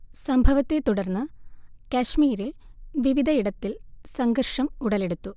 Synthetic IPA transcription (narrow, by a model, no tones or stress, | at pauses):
sɐmbʱɐʋɐt̪ːet̪uɽɐrnːɨkɐɕmiːɾilʋiʋid̪ʱɐiɽɐt̪ːilsɐŋɡɐrʂɐmuɽɐle̞ɽut̪ːu